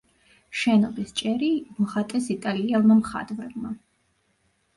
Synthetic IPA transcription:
ʃɛnɔbist͡ʃʼɛɾimɔχat̪ʼɛsit̪ʼaliɛlˠmamχa̰d̪vɾɛbma

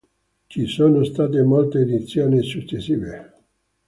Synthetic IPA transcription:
t͡ʃisoːnost̪aːt̪emolt̪eːd̪it̪sːjoːnisut͡ʃːesːiːve

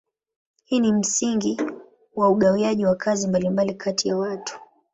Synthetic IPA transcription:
hiːnim̩siŋɡi | wauɠawiaʄiwakʰazimbalimbalikʰatijawatu̥

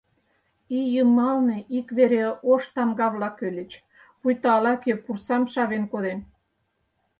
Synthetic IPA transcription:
ijəmɑlneʔikβeɾeoʃt̪ɑmɡɑβlɑkølʲet͡ɕ | pujt̪ɑɑlɑkepursɑmʃɑβenkoðen

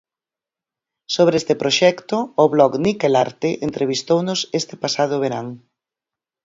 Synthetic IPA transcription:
soβɾeest̪ɪpɾoʃɛkt̪ʊːβlɔknikelaɾt̪ɪʔent̪ɾeβ̞ist̪ownʊsest̪ɪpasað̞ʊβeɾaŋ

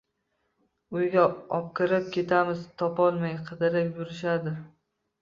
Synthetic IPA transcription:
ʊjɡʲaɒp̚kʰʲɪɾɪp̚kʲʰe̞t̪ʰamɪzt̪ʰɒpɒlˠmajqʰɨd̪ɪɾɪpjʊɾɪʃad̪ɪ

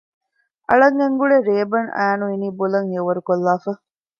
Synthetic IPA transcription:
ʔɐ̰ɭɐŋeŋɡuɭeɾeːbɐnʔæ̰ːnuiniːbolɐŋheʋɐɾukolːaːfɐ

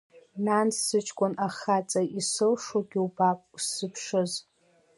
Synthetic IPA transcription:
nansɨt͡ʃʰʼkʷʼʊnaχat͡sʼaʔisɨlʂoɡʲiubapʼusɨpʰʂɨz

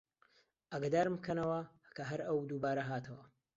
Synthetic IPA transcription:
ʔɐɡad̪aːɾmbkʰɐnɐwɐ | kʰɐɦɐɾɐwd̪uːbaːɾɐɦaːt̪ʰɐwɐ

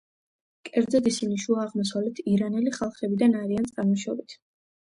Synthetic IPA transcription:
kʼɛɾd̪zɛd̪isiniʃuaːʁmɔs̬avlɛt̪ʰiɾanɛliχalˠχɛbid̪anaɾiant̪sʼaɾmɔʃɔbit̪ʰ

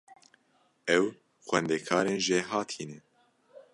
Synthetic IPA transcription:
ɛw | xwɛnd̪ɛkʰɑːɾeːnʒeɦɑːt̪ʰiːnɛ

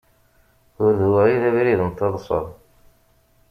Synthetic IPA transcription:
ʊɾðuwæiðæβɾiðənt̪ːɑðˤsˤə̰ðˤ

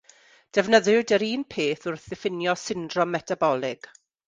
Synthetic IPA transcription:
d̥ɛvnəðʊdəɾiːnpʰeːθʊrθɪfɪnjɔsɪndrɔmːɛtʰabɔlˠɪɡ̥

